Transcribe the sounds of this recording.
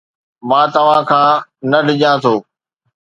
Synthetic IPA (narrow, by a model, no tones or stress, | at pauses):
mãːt̪ɐʋ̤ãːkʰãːnɐɖɪʄãːt̪ʰoː